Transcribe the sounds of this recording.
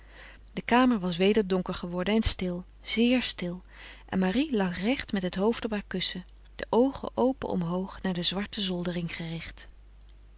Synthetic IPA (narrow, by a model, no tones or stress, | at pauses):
d̥əkaːməɹʋɑsʋejdəɹdɔŋkəɹχəʋɔɹdənɛnstɪlˠ | z̥ɪːɹstɪlˠ | ʔɛ̰nmarilɑχrɛχtmɛtɦətɦowftɔpɦaːɹkɵsə | d̥əʔowχə̰ʔowpə̰ʔɔ̰mɦowχnaːɹdəzʋɑɹtəzɔlˠdərɪŋχərɪχt